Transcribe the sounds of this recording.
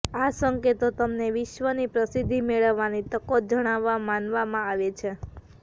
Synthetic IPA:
asəŋket̪ot̪əmneʋɪʃʋənipɾəsid̪ʱːimeɭəʋːanit̪əkot̪̚d͡ʒəɽ̃aʋːamanʋamãaʋet͡ʃʰe

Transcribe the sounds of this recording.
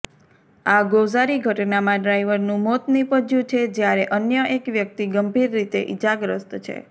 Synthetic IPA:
aɡozaɾiɡʱəʈnamãɖɾajʋəɾnũmot̪nipəd͡ʒjũt͡ʃʰed͡ʒjaɾeʔənjəʔekʋjək̚t̪iɡəmbʱiɾːit̪ḛʔid͡ʒaɡɾəst̪t͡ʃʰḛ

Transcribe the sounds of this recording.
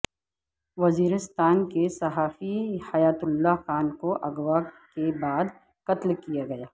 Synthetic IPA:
ʋɐziːɾɪst̪aːnkesɐɦaːfihɐjaːt̪ʊlːaɦxaːnkoʔɐɡʋakebaːd̪ | kɐt̪lkijaɡɐjaː

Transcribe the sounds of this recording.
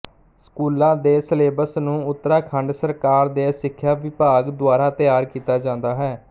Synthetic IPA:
sə̥kuːlãːd̪eːsəleːbəsnũːʊt̪ːəɾaːkʰəɳɖsəɾkaːɾd̪eːsɪkʰːjaːʋɪpaːɡd̪ʊaːɾaːt̪ɪjaːɾkiːt̪aːd͡ʒãːnd̪aːɦɛː

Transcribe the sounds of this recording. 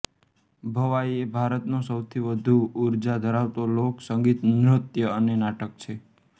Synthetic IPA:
bʱəʋaiebʱaɾət̪nõsəwt̪ʰiʋəd̪ʱuːɾd͡ʒad̪ʱəɾaʋt̪oloksəŋɡit̪nɾʊt̪jəənenaʈək̚t͡ʃʰe

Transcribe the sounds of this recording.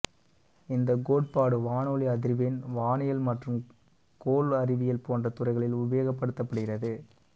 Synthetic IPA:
ɪnd̪ɐɡoːʈ̚paːɽɯʋaːnoːliɐðɪɾʋenʋaːnɪjɐlmɐʈrɯm | koːlɐɾɪʋɪjɐlpoːndrɐt̪ʊrɐɪɣɐɭɪlʊʋːeːɣɐpːɐɽɯt̪ːɐpːɐɽɯɣɪrɐðɯ

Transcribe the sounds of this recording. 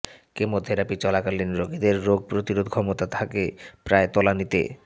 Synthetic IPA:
kemod̪ʱeɾapit͡ɕɔlakaliniɾoɡid̪eɾːoɡ̚pɾot̪iɾod̪kʰɔmot̪at̪ʰakepɾaet̪ɔlanit̪ḛ

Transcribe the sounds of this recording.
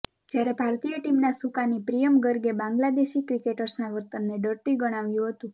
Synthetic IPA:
d͡ʒjaɾebʱaɾt̪ijəʈimnasukanipɾijəmɡəɾɡebãŋɡlad̪eʃikɾikeʈəɾsnaʋəɾt̪ənːeɖəɾt̪iɡəɽ̃aʋjũɦət̪ũ

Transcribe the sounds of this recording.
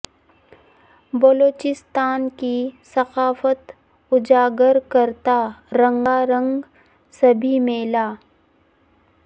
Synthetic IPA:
bɐloːt͡ʃɪst̪aːnkisɐqaːfət̪ | ʊd͡ʒaːɡəɾkəɾt̪aɾə̃ŋɡaɾə̃ŋɡ | sɐbʱimeːlaː

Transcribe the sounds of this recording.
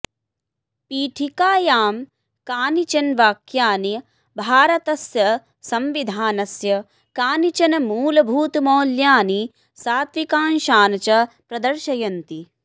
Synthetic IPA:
piːʈʰikaːjaːm | kaːnit͡ʃɐnʋaːkjaːni | bʱaːɾɐt̪ɐsjɐ | sɐmʋid̪ʱaːnɐsjɐ | kaːnit͡ʃɐnɐmuːlɐbʱuːt̪moːljaːni | saːt̪ʋikaːnʃaːnɐt͡ʃɐpɾɐd̪ɐɾʃɐjɐnt̪i

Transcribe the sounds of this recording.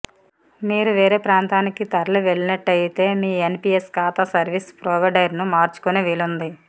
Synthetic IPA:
miːɾuʋe̞ːɾe̞ːpɾaːnt̪aːnikit̪ɐɾɐɭuʋeɭːinɐʈːɐjt̪e̞ːmiːenpieskaːt̪asɐɾʋispɾɔːʋɐɖɐjɾnumaːɾt͡ʃu̥kuneʋilund̪i

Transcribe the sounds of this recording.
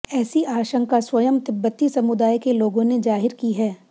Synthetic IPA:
ɛːsiʔaːʃə̃ŋkaswɐjəmt̪ɪbːət̪isɐmʊd̪aːjkeloːɡõned͡ʒaːɦɪɾkiɦɛː

